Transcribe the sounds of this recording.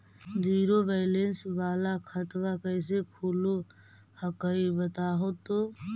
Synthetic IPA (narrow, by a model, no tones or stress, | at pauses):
d͡ʒiːɾobaɪlensʋaːlakʰət̪wakəɪs̬ekʰuːlo | həkəibət̪aːɦot̪oː